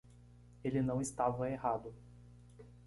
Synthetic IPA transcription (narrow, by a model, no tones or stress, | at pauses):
elɪnɐ̃w̃ɪst̪avɐehad̪ʊ